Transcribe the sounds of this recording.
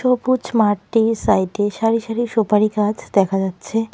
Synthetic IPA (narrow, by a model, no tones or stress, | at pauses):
ʃoput͡ʃmaʈːisaiʈeʃaɾiʃəɾiʃopaɾikad͡ʒd̪ɛkʰad͡ʒatːt͡ʃʰe